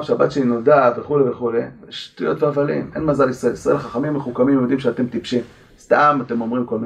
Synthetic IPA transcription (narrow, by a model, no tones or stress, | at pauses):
ʃabat̪ʃeinodadveχuleveχuleeʃtujo̞t̪veavalḭme̞nmazalisaeisʁae̞lχaχamimːeχukamimovd̪imʃeat̪e̞mt̪ipʃim | st̪amat̪e̞mo̞mʁimko̞lmi